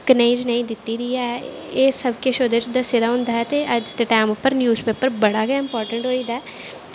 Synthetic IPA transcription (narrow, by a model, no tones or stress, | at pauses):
kəneĩːd͡ʒnəĩːd̪ɪt̪ːiːd̪iːɛː | eːsəbkeʃoːd̪et͡ʃd̪əseːd̪aːɦʊ̃nd̪aːɦɛːt̪eːʔəd͡ʒt̪eʈaːmʊpːəɾnjuːzpeːpəɾbəɽaːɡɪmpɔːɾʈəɳʈɦoːiːd̪aː